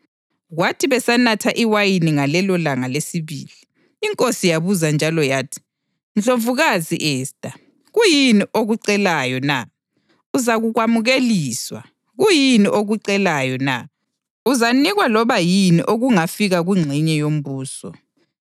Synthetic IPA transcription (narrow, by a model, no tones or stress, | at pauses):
ɣwatʰiβɛsanatʰaʔiwajiniŋalɛlɔlaŋalesiβḭːliː | ŋkʼosijaβuzand͡ʒʱalɔjaːtʰi̥ | nt͡ɬʼovuɣazḭʔɛːstʼa | ɣujiniʔoɣuǀɛlajɔna | uzaɣuɣwamuɣeliːswa̰ | ɣujiniʔoɣuǀɛlajɔna̰ | uzaniɣwalɔβajinḭʔoɣuŋafiɣaɣwiŋ͡ǀʱiɲɛjom̩βuːsɔ